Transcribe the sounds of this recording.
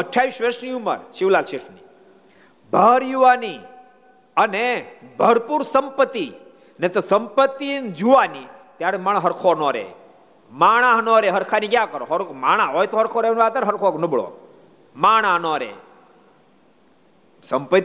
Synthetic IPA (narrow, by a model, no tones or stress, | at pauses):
əʈʰːaʋiʃʋeʃniumə̰ɾʃiʋlalʃiɾʃnḭ | bʱəːɾjuʋani | ənebʱəɾpuɾsəmpət̪ːi | net̪osəmpət̪ːind͡ʒuʋanit̪jaɾemaɽɦəɾkʰonoɾḛ | maɳ̃aɦnɔɾeɦəɾkʰanikjakəɾo̰ɦɾmaɽ̃aɦɔjt̪oɦəɾkʰoɾenʋaːt̪əɾɦəɾkʰoknəbəɭo̰ | maːɳ̃aɦnɔɾḛ | səmpə